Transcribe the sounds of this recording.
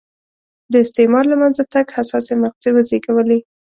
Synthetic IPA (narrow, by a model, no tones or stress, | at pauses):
d̪əɪst̪emɑɾlamanzat̪aɡhasɑsemaq̚ziwəzeɡawəle